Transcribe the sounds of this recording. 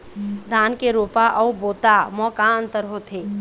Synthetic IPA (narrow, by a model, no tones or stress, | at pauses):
d̪ʱaːnkeɾoːpaʔəuboːt̪amɔːkaə̃nt̪əɾɦot̪ʰe